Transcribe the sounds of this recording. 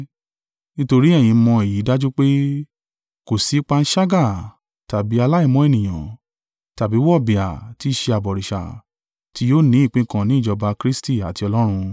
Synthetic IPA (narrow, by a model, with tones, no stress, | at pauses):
nĩ˦to˧ɾi˦ɛ˦˨j̃ĩ˨˧˦mɔ̃˧e˨ji˨˦da˦d͡ʒu˦k͡pe˦ | ko˨si˨˦k͡pa˧n̩˦ʃa˦ɡa˦˨ | ta˨bi˨˦a˧la˦i˦˧˨mɔ̃˦e˦˨nĩ˨j̃ã̰˨ | ta˨bi˨˦wɔ˦˨bi˨a̰˨ti˨˦ʃe˧a˨bɔ˨ɾi˨ʃa̰˨ | ti˦joː˦˨nĩ˨˦i˦˨k͡pĩ˦kã˦˨nĩ˨˦˨d͡ʒɔ˧ba˧kɾi˦sti˦˨a˨ti˧ɔ˧lɔ˦ɾ̃ũ˧